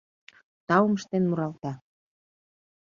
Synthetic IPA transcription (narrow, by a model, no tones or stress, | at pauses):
t̪ɑwməʃt̪enmuɾɑlt̪ɑ